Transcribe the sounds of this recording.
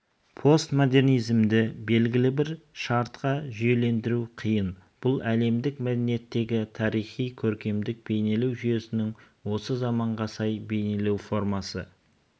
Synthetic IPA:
pʰo̞st̪mo̞d̪e̞rnijzɪmd̪ɪbe̞lɡʲɪlɪbɪɾʃɑɾt̪qɑʒʏje̞le̞nd̪ɪɾuqʰijənb̥ʊlˠæle̞md̪ɪkmæd̪ene̞t̪ːe̞ɡʲɪt̪ʰɑɾijχijkʲʰɵɾkʲe̞md̪ɪk̚be̞jne̞lewʒyje̞sɪnɪŋ | wo̞səzɑmɑɴʁɑsɑjbe̞jne̞le̞wfo̞ɾmɑsə̰

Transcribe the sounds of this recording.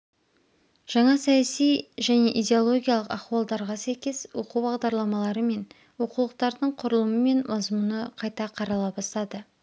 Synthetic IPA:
ʒ̥ɑɴɑsɑjɑsijʒæne̞ʔidʲe̞olˠo̞ɡʲijalˠəqɑχwɑlˠd̪ɑɾʁɑsæjkʲe̞swo̞qubɑʁd̪ɑɾlˠɑmɑlˠɑɾəme̞n | wo̞qulˠəq̚t̪ɑɾd̪əɴqʰʊɾəlˠəməme̞nmɑzmunəqʰɑjt̪ɑqʰɑɾɑlˠɑbɑst̪ɑd̪ə

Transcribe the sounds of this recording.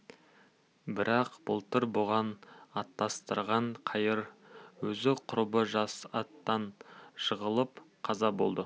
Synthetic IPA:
bɪɾɑqb̥əlˠt̪əɾbʊʁɑnɑt̪ːɑst̪əɾʁɑɴqʰɑjəɾwɵzɪqʰʊɾbəʒɑsɑt̪ːɑnʃəʁəlˠəpqʰɑzɑbo̞lˠd̪ə

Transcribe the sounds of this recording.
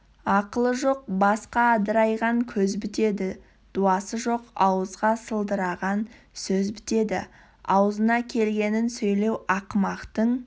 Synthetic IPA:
ɑqəlˠəʒo̞q̚bɑsqɑd̪əɾɑjʁɑŋkʲʰɵzbɪt̪e̞d̪ɪ | d̪̥uɑsəʒo̞qɑwəzʁɑsəlˠd̪əɾɑʁɑn | sɵzbɪt̪e̞d̪ɪ̰ | ɑwəzənɑkʲʰe̞lɡʲe̞nɪnsɵjle̞wɑqmɑqt̪əɴ

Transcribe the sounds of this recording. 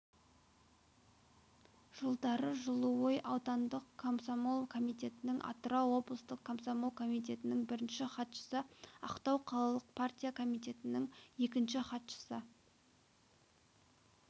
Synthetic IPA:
ʒ̥əlˠd̪ɑɾəʒəlˠəwojʔɑwt̪ɑnd̪əqkʰːomsomo̞lˠkʰo̞mijt̪e̞t̪ɪnɪŋʔɑ̰t̪ɾɑwo̞blˠəst̪əqkʰːomsomolˠkʰo̞mijt̪̬e̞t̪ɪnɪŋbɪɾɪnʃɪχɑt̪ʃə̥səɑ̰qt̪ɑwqʰɑlˠɑlˠəq̚pʰart̪ʲijakʰo̞mijt̪e̞t̪ɪnɪŋje̞kʲɪnʃɪχɑt̪ʃə̥sə

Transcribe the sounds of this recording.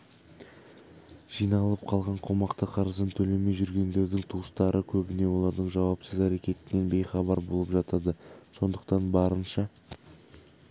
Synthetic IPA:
ʒ̥ijnɑlˠəp̚qʰɑlˠʁɑɴqʰo̞mɑqt̪əqʰɑɾəzənt̪ʰɵle̞me̞jʒʏɾɡʲe̞nd̪e̞ɾd̪ɪŋt̪ʰuəst̪ɑɾʔəkʲʰɵbɪne̞wo̞lˠɑɾd̪əɴʒɑwɑpsəzæɾe̞kʲe̞t̪ɪne̞nbe̞jχɑbɑɾbo̞lˠəpʒɑt̪ɑd̪əso̞nd̪əqt̪ɑnbɑɾənʃɑ

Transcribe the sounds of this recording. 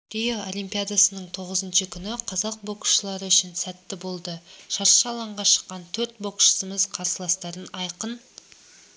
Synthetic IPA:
ɾ̥ejaolʲijmpʲijad̪asənəɴt̪ʰo̞ʁəzənʃəkʲʰʏnɪqʰɑzɑq̚bo̞kʃəlˠɑɾəʏʃɪnsæt̪ːɪbo̞lˠd̪əʃɑɾʃɑlˠɑɴʁɑʃə̥qːɑnt̪ʰɵɾt̪̚bo̞kʃə̥səmɪzqʰɑɾsəlˠɑst̪ɑɾənɑjqən

